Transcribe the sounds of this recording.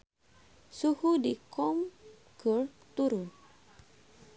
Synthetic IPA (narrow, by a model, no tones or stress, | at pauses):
suhudikɔm | ɡəl | t̪uɾʊn